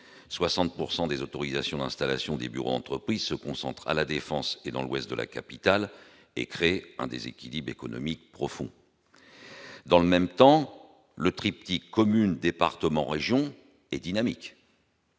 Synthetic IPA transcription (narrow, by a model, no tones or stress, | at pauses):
swasɑ̃t̪̚puʁsɑ̃d̪ezot̪ɔʁizasjɔ̃d̪ɛ̃st̪ala̰sjɔ̃d̪eby̰ʁo̰d̪ɑ̃t̪χəpχizsəkɔ̃sɑ̃t̪χa̰lad̪efɑ̃sed̪ɑ̃lwɛst̪̚d̪ə̰lʔa̰kapit̪al | ḛkχeɛ̰̃d̪ḛzḛkʲilibʁekɔnɔ̰mik̚pχɔfɔ̰̃ | d̪ɑ̃ləmɛmt̪ɑ̃ | lət̪χip̚t̪ikʰːɔmynd̪epaʁt̪əmɑ̃ʁeʒjɔ̃ | ɛd̪inamik